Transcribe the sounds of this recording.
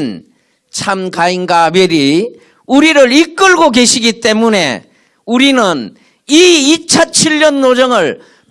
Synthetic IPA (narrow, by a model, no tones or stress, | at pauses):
n | t͡ɕʰamkainɡabeɾi | uɾiɾɯɾik͈ɯɭɡoke̞ɕʰiɡit͈e̞mune̞̰ | uɾinɯn | iit͡ɕʰʌnt͡ɕʰiɭɲʌnːod͡ʑʌŋɯɭ